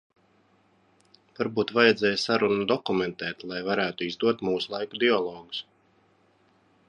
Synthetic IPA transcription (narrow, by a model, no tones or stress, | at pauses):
vaɾbuːt̪vajɛd̪zɛːjsaɾunud̪ɔkumɛnt̪ɛːt̪lˠajvaɾæːt̪uizd̪uɔt̪muːsulˠajkud̪iɔlˠɔːɡu̥s